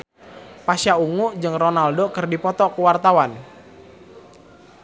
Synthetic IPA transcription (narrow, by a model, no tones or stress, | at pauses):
pasjauŋud͡ʒɨŋronaldokɨrdipɔt̪ɔkəwart̪awan